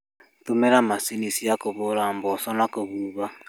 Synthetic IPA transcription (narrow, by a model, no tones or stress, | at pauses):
tumɛɾamasinisijakoβʊɾambɔsɔnakoβuβa